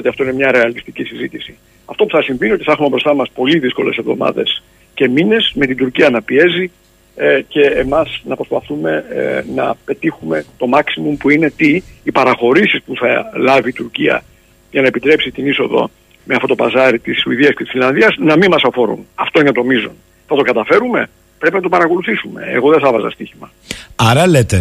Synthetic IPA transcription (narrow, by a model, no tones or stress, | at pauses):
ot̪iɐft̪o̞inemɲɐɾe̞ɐlist̪icisizit̪isi | ɐft̪o̞puθɐsiɱviniot̪iθɐxumebɾo̞st̪ɐmɐspo̞liðisko̞le̞̰se̞vðo̞̰mɐ̰ðe̞̰s | ce̞mine̞sme̞t̪ind̪uɾciɐnɐpie̞zi | ce̞ːmɐsnɐpɾo̞spɐθume̞nɐ̰pe̞t̪ixume̞t̪o̞mɐksimumpuine̞t̪iːpɐɾɐxo̞ɾisispuθɐlɐviːt̪uɾciɐ̰ | ʝɐnɐepit̪ɾe̞psit̪iniso̞ðo̞̰ | meɐft̪o̞t̪o̞pɐzɐɾit̪isuiðiɐskce̞t̪isfilɐnðiɐznɐmimɐsɐfo̞ɾṵnɐft̪o̞inet̪o̞mizo̰n | θɐt̪o̞kɐt̪ɐfe̞ɾume̞̰ | pɾe̞pinɐt̪o̞pɐɾɐko̞luθisume̞̰ḛɣo̞ðeθɐvɐzɐ̰st̪içimɐ | ɐɾɐlet̪e